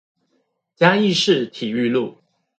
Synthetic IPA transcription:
t͡ɕja˥i˥˧ʂɻ̩˥˩t̪ʰi˨˩y˥˧lu˥˩

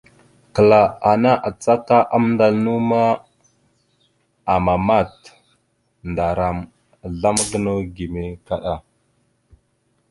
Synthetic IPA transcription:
kə˨la˨a˨na˦ʔa˨t͡sa˦ka˦ʔa˦m˦nda˨lnu˦ma˦ | a˨ma˨ma˦˨t | nda˨ɾa˨m˨ | ɮa˦mɡə˦no˦ɡi˨me˦ka˦ɗa˦

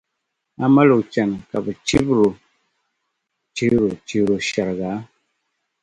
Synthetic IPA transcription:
a˦ma˦lo˨kt͡ʃa˨n˨ka˨bə˨t͡ʃi˦bɾo˨ | t͡ʃi˦ɾo˨t͡ʃi˨ɾo˨ʃa˨ɾɡa˨˦

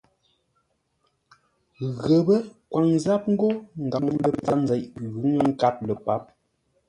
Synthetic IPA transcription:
ɣə˨bə˦kwa˨ŋza˦p̚ŋ̩˦ɡo˦ŋ̩˨ɡa˨ŋ˦lə˦˨t͡sa˨˦nzɛ˨ʔɣʉ˨˦ŋə˦ŋ̩˦ka˦t̚lə˨pa˨˦p̚

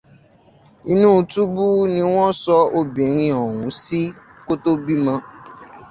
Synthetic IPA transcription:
i˧nũ˦˧tu˦bu˦nĩ˧w̃ɔ̃˦sɔ˧o˧bĩ˨˦ɾ̃ĩ˧ɔ˨wũ˨˦si˦ | ko˦to˦bi˦mã˧

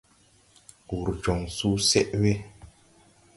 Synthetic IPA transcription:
u˨ɾd͡ʒɔ˨ŋsu˦sɛ˦ʔwe˦

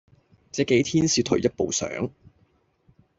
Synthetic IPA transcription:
t͡sɛː˨˥ke˨˥jt̪ʰiː˥nsiː˧wt̪ʰɵ˨˩jɐ˥t̚po˨˧wsœ̰ː˨˥ŋ

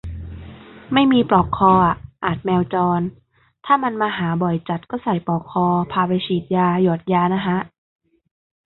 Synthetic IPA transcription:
ma˥˩jmiː˧pɾɔː˨˩kʰːɔː˧ʔa˨˩ʔʔaː˨˩t̪̚mɛː˧wt͡ɕɔː˧n | t̪ʰaː˥˩ma˧nmaː˧ɦaː˩˦bɔ˨˩jt͡ɕa˨˩t̪̚kɔː˥˩sa˨˩jpɔː˨˩kʰːɔː˧pʰaː˧pa˧jt͡ɕʰiː˨˩t̪̚jaː˧jɔː˨˩t̪̚jaː˧na˦˥kʰa˦˥ʔ

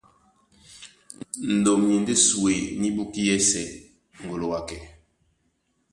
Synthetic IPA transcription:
n̩˨do˨mje˨n˦de˦su˨e˨ni˦ɓu˦ki˦jɛ˦sɛ˨ | ŋ̩˨ɡo˨lo˨wa˨kɛ˨

